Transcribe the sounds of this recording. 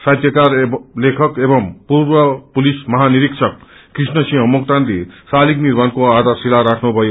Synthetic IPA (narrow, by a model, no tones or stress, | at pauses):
sat̪jʌkarlekʰʌkebʌmpuɾbʌpulismʌɦaniɾiksʰʌkː | risnʌsiɦõmukt̪ant̪isalikniɾmankoad̪ʱaɾsilaɾakʰnubʱʌjo